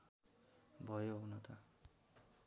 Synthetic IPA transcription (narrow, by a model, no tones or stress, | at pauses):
bʱʌjownʌt̪ʌ